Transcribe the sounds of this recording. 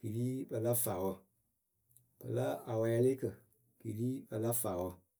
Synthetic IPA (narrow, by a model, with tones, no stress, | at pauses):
ɡ̥i˨liː˦bə˧la˦faː˨wɔ˧ | b̥ə˨la˦a˨wɔ˨˧ja˧le˦kə˨ | ɡ̥i˨liː˦bə˧la˦faː˨wɔ˧